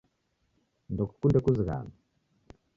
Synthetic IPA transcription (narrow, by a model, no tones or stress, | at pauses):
ndɔku̥kundɛkuziɣa̰ma